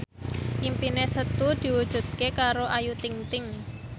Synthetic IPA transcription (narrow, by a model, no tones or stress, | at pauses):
impinesət̪ud̪̥i̤wud̥ʒ̥ṳd̪̚kekaɾoʔajut̪iŋt̪ɪŋ